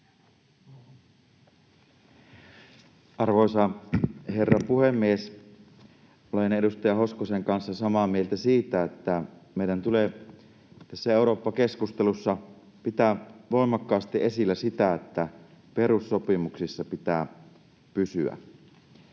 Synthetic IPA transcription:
ɑrʋoesɑhe̞rːɑpuhemːies | olene̞dust̪ɑjɑho̞skoseŋkɑnsːɑsɑmɑːmielt̪æsiːt̪æet̪ːæmeidænt̪ule | t̪æsːæeuɾo̞ːpːɑke̞skust̪elusːɑ | pit̪æʋo̞imɑkːɑːst̪iʔe̞silːæsit̪æet̪ːæ | pe̞ɾusːopimuksisːɑpit̪æː | pysy̰æ̰

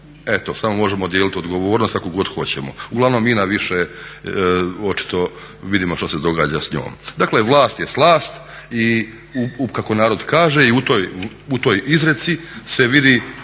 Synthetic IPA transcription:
et̪o̞samomo̞ʒe̞mo̞d̪jeːlit̪iod̪ɡo̞ʋoːɾnost̪ako̞ɡo̞d̪xo̞t͡ɕemo̞̰uɡlˠaʋno̞mːiːnaʋiʃe | o̞t͡ʃi̥t̪o̞ | ʋid̪imo̞ʃt̪ose̞d̪o̞ɡa̰ːd͡ʑasɲo̰ːmd̪akle̞ʋlˠaːst̪jeslˠaːst̪ | i | ukako̞naːɾo̞d̪kaːʒeiut̪o̞ːj | ut̪oːjizɾe̞t̪sise̞ʋid̪i

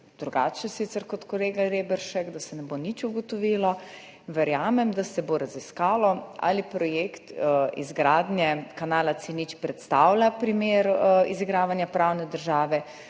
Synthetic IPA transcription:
d̪̥ɾuɡaːt͡ʃɛsit̪sɛɾkɔt̪kɔleːɡaɾebɛɾʃɛkd̪asɛnɛbonit͡ʃuɡɔt̪ɔʋiːlɔ | ʋɛɾjaːmɛmd̪asɛboɾaziskaːlɔa̰lipɾɔjekt̪ḭzɡɾaːd̪njɛkanaːlat̪sinit͡ʃpɾɛt̪st̪aːwlʲapɾimeːɾiziɡɾaːʋanjapɾawnɛd̪əɾʒaːʋɛ

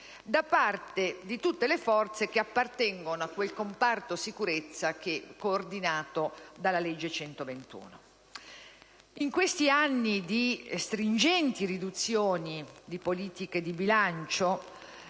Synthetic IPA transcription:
d̪apːart̪ed̪it̪ut̪ːelefɔrt̪sek̟eapːart̪ɛŋɡonoakːwelkompart̪osikuɾet̪sːak̟ekːoːrd̪inaːt̪od̪alːaled͡ʒːet͡ʃɛnt̪ovent̪ṵːno | iŋkwest̪ianːid̪ist̪ɾind͡ʒɛnt̪irid̪ut̪sːjoːnid̪ipoliːt̪iked̪ibilant͡ʃo

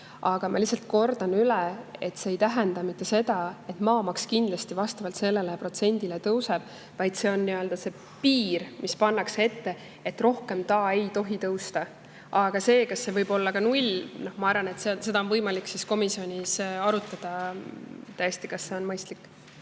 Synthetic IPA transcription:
ʔɑɡ̥ɑmʔɑ̰lisɑlt̪̚ˑko̞rd̪̥ɑnylɛe̞t̪se̞ːjt̪æɦend̪ɑmit̪ˑːe̞se̞d̪ɑe̞t̪mɑːmɑkskind̪lɑst̪ivɑst̪ɑvɑlt̪se̞lːe̞lepro̞t̪se̞nʲd̪ilet̪ɤwse̞b̥̚ | vɑjd̪̥se̞o̞nːiø̞ld̪̥ɑse̞ | piːɾmʔispɑnːɑkse̞t̪ːe̞ | et̪ːro̞hke̞mt̪ɑe̞jt̪o̞ɦit̪ɤwst̪ɑ | ʔɑɡ̥ɑse̞ːkɑsːe̞vɤjbo̞lːɑkɑnulʲno̞hmɑɑɾvɑne̞t̪sense̞d̪ɑonvɤjmɑlikːsisko̞misio̞nʲisɑɾut̪ːˑɑd̪̥ɑ | t̪æjest̪ikɑsse̞o̞nmɤjst̪likːˑ

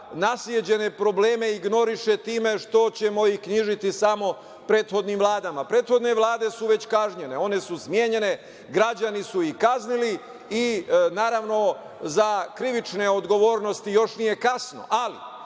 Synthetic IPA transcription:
nasljed͡ʑe̞ne̞pɾo̞bleːme̞iɡno̞ɾiʃe̞t̪iːme̞ʃt̪o̞t͡ɕe̞mo̞ikɲiʒit̪isamo̞ | pɾe̞ːt̪xo̞d̪niːmʋlˠaːd̪amapɾe̞ːt̪xo̞d̪ne̞ʋlˠaːd̪e̞suʋe̞t͡ɕkaʒɲe̞ne̞o̞ne̞susmje̞ːɲe̞ne̞ | ɡɾad͡ʑanisuikaznili | inaːɾaʋno̞ | zakɾiʋit͡ʃne̞o̞d̪ɡo̞ʋo̞ːɾno̞st̪ijo̞ʃnije̞kasno̞̰ʔalḭ

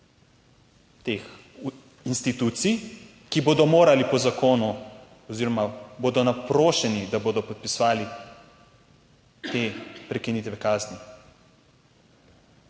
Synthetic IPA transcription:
t̪eːx | inst̪it̪ut̪sij | kiboːd̪ɔmoːɾalipɔzakoːnu | ɔziːɾɔmaboːd̪ɔnapɾoːʃɛnid̪aboːd̪ɔpɔt̪̚pisʋaːli | t̪epɾɛkinit̪ʋɛkaːzni

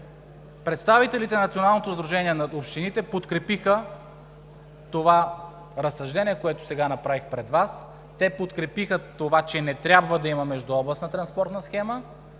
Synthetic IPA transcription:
pɾɛt̪st̪avit̪ɛlit̪ɛnɐt̪sionalˠnot̪ozd̪ɾuʒɛniɛnɐopʃt̪init̪ɛpot̪kɾɛpixə | t̪ova | ɾɐsɐʒd̪ɛniɛkoɛt̪o̥sɛɡanɐpɾavixpɾɛd̪vas | t̪ɛpot̪kɾɛpixət̪ovat͡ʃɛnɛt̪ɾʲabvəd̪ɐimɐmɛʒd̪uɔblˠɐsnət̪ɾɐnspɔɾt̪nəsxɛmə

